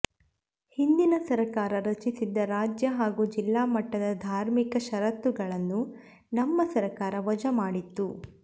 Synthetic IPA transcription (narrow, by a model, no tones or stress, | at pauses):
hind̪inɐsɐɾɐkaːɾɐɾɐt͡ʃisid̪ːɐɾaːd͡ʒjɐɦaːɡuːd͡ʒilːaːmɐʈːɐd̪ɐd̪ʱaːɾmikɐʃɐɾɐt̪ːuɡɐɭɐnːu | nɐmːɐsɐɾɐkaːɾɐʋɐd͡ʒɐmaːɽit̪ːu